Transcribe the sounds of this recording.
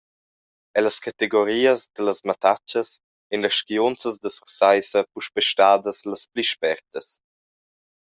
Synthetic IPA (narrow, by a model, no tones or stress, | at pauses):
ɛləskat̪eɡoɾiːəzd̪ələsmat̪at͡ʃəs | enləʃkiont͡səzd̪əsusajsəpuʃpɛʃtaːd̪əsləspliʃpɛɾt̪əs